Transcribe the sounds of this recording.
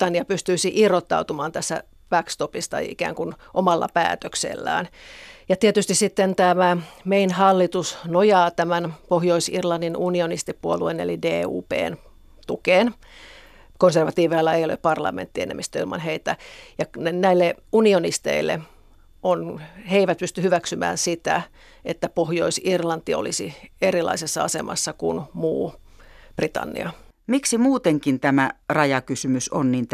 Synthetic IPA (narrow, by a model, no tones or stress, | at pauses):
ɑnijɑpyst̪yisiʔirot̪ːɑ̰ut̪umɑːnt̪æsːæ̰ | b̥ækst̪opist̪ɑ̰ḭkæ̰ːŋkunʔomɑlːɑ̰pæ̰ːt̪øksḛlːæ̰ːnjɑt̪iet̪yst̪issit̪ːent̪æmæmeinhɑlːit̪usnojɑːt̪æmænpohjoisirlɑnːinunionist̪ipuoluenḛlideːṵːpḛːn | t̪ukeːn | konserʋɑt̪iːʋeilːɑejolḛppɑrlɑ̰mḛnt̪ːienḛmist̪øilmɑ̰nheit̪æjɑnenæilːeunionist̪ḛilːḛ | ʔonheiʋæt̪̚pyst̪yhyʋæksymæ̰ːnsit̪æ | et̪ːæpohjoisirlɑnt̪io̰lisierilɑ̰isesːɑɑsḛmɑ̰sːɑkunmuː | b̥rit̪ɑ̰nːḭɑ | miksimuːt̪eŋkint̪æmærɑjɑkysymysonnint̪